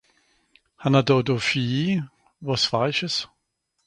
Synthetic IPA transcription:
hanadɔdofi | vɔsfaɪʃəs

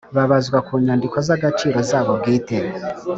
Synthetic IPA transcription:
βaβazɡwakuːɲandiko̞zaɡat͡ʃiːɾo̞zaːβo̞bɡiːte

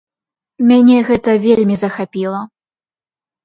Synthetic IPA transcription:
mʲanʲɛɣɛt̪ɐvʲelʲmʲizɐxapʲilˠɐ

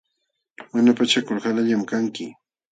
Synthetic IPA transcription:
manapat͡ʃakʊɾhalaʎamkaŋkɪ

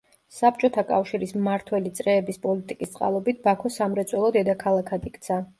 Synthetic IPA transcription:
sap̚t͡ʃʼɔt̪ʰakʼafʃiɾismaɾt̪ʰwɛlit̪sʼɾɛːbispʼɔlit̪ʼikʼist̪sʼqʼa̰lˠɔbit̪̚ʰbakʰɔsamɾɛt̪sʼwɛlˠɔd̪ɛd̪akʰalˠakʰad̪ikʰʼt̪sʰa

